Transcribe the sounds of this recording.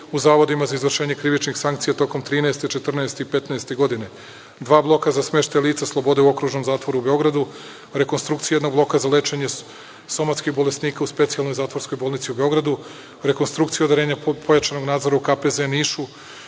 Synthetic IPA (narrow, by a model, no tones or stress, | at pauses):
uzaːʋod̪imazaizʋvr̩ʃe̞ːɲe̞kɾiʋit͡ʃnixsaŋkt̪sijat̪o̞ko̞mt̪ɾiːnaest̪e̞t͡ʃe̞t̪r̩nɛest̪eipe̞t̪naest̪e̞ɡo̞d̪ine̞ | d̪ʋaːblˠo̞kazasme̞ʃt̪ajlˠiːt̪saslˠo̞bo̞d̪euo̞kɾuːʒno̞mzaːt̪ʋoɾube̞o̞ɡɾad̪u | ɾe̞ko̞nst̪ɾuk̚t̪iajed̪no̞ɡblo̞kazale̞t͡ʃeɲe̞ | so̞mat̪skiɣbo̞lesniːkauspe̞t̪sijalno̞jzaːt̪ʋoɾsko̞jboːlˠnit̪siubeo̞ɡɾad̪u | ɾe̞ko̞nst̪ɾukt̪sijaod̪aɾe̞ːɲapʰo̞jat͡ʃano̞ɡnaːd̪zo̞ɾaukapezeniʃu